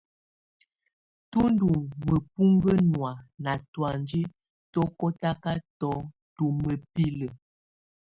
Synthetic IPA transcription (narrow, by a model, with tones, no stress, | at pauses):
tu˦n˦du˨ŋmə˨pu˦ŋɡə˦nwa˨na˨twa˨nd͡ʒi˦ | tɔ˦kɔ˦ta˦ka˦tɔ˦ | tu˦mə˨pi˦lə˨